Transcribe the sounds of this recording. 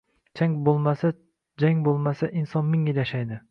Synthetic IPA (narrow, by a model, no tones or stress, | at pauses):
t͡ʃʰaŋbolˠmasa | d͡ʒaŋʲbolˠmasaʔinsɒnmɪŋilʲaʃajd̪ɪ